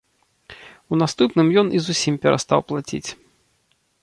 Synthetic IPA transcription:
un̪ast̪upnɨmjɔnʔizusʲimpʲɛɾʔa̰st̪awplˠat͡sʲḭt͡sʲ

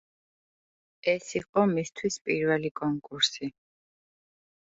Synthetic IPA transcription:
ɛsiqʼɔmist̪ʰwispʼiɾvɛlikʼɔŋkʼuɾsi

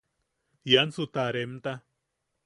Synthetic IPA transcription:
jansut̪aɾemt̪a

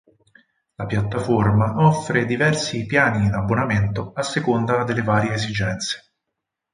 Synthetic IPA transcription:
lapjat̪ːaformaʔɔfːɾed̪ivɛrsipjaːniːnabːonament̪oasːekond̪ad̪elːevaːɾjeːzid͡ʒɛnt̪se̥

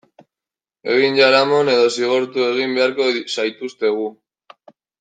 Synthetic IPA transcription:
e̞̰ɣ̞inʝaɾamo̞ne̞ðo̞siɣ̞o̞ɾt̪ue̞ɣ̞imbe̞aɾko̞sajt̪ust̪e̞ɣ̞u

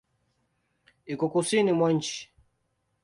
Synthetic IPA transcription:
ikɔkusinimwaɲ̩t͡ʃi̥

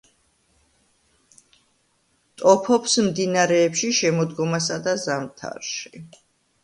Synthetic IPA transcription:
t̪ʼɔpʰɔpsmd̪inaɾɛːpʃiʃɛmɔd̪ɡɔmasad̪azamt̪ʰa̰ɾʃi̥

